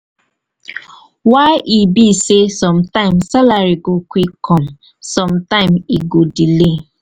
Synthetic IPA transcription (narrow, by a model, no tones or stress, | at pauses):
waɪʔibisesɔm̩tãɪ̃msalaɾiɡokʷikʰɔm | sɔ̃mtãɪ̃miɡodile